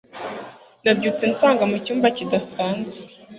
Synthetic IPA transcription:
nabɟuːt͡sent͡saːŋɡamucuːmbacidasaːnzɡwe

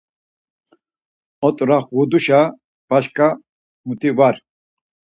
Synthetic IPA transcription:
ɔt̪ʼɾaχɣud̪uʃa | b̥aʃkʼa | mut̪ʼivaɾ

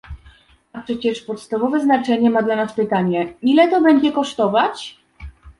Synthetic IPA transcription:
apʂɛt͡ɕɛʂpɔt̪st̪avɔvɛznat͡ʂɛɲɛmad̪lanaspɘt̪aɲɛilɛt̪ɔbɛɲd͡ʑɛkɔʂt̪ɔvat͡ɕ

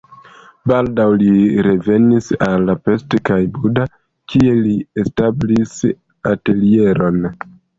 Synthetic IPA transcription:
baldawliɾe̞ve̞nisalːape̞stekajbuda | kʰie̞liestablis | ate̞lie̞ɾo̞n

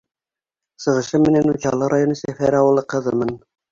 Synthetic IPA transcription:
sɤ̆ʁɤ̆ʃɤmːɘ̆nænut͡ɕɑlˠɤɾajonɤsæfæɾɑwɤ̆lˠɤqɤ̆ðɤmɤn

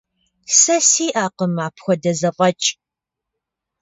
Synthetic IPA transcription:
sɐsiːʔaːqəmaːpʰxʷɔdɐzɐpʼɐt͡ʃʼ

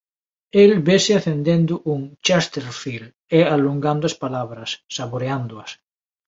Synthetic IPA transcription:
elbesɪaθend̪end̪ʊʔuŋt͡ʃast̪eɾfil | ealuŋɡand̪oaspalaβɾɐsːaβoɾeand̪ʊɐs

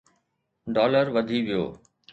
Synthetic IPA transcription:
ɖɔːləɾʋɐd̪ʱiʋijo̰ː

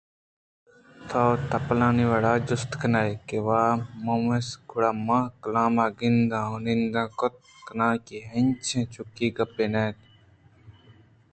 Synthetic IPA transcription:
t̪ʰaːt̪ɐplãːniʋaɽaːd͡ʒʊst̪kənaːjkeʋaːmoːmesɡʰʊɽaːmãːkɐlãːmaːɡind̪ãːɦonĩnd̪ãːkot̪̚kɐnãːkiɦɐ̃nt͡ʃʰẽːt͡ʃʰʊkiːɡɐpeːneːt̪

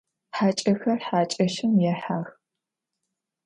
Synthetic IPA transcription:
ħaːt͡ʃʼɐxɐrħaːt͡ʃʼɐʃɪmjɛħaːx

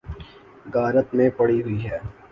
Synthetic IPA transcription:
bʱaːɾət̪mẽpɐɽiɦʊiɦɛː

